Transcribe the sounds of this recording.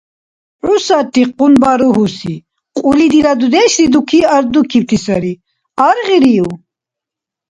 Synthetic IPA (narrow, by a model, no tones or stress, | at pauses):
ʕusatiqunbaɾuɦusḭ | qʼulid̪iɾad̪ud̪eɕd̪id̪ukʰiaɾd̪ukʰip̚t̪ʰisaɾi | aɾʁiɾiju